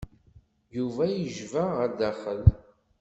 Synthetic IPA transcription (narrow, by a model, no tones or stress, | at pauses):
juvæjəʒvæʁəd̪æχəl